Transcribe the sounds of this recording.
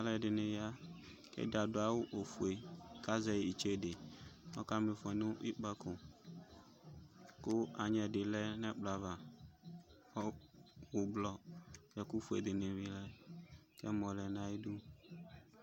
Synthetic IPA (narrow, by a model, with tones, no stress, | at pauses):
a˨˦lɛ˨dɪ˨nẽ˨ja˦ | kɛ̰˦da˨do˨a˨˦wʊ˦ʔo˨fu˨e˨ka˦zɛ˨i˨t͡ʃe˦˨de˨nɔ˦ka˦me˨fɔ˨nũ˦ʔi˦k͡pa˦kʊ˨ | kʊ˦a˨ɲɛ˨dɪ˨lɛ˦nɛ˦k͡pla˨va˨ | ɔ˦wu˨blɔ˦jɛ˨ku˦fu˨ḛ˨d̪ɪ˨nẽ˨vi˨lɛ˦kɛ˦mɔ̃˨lɛ˨nã˨i˦du˦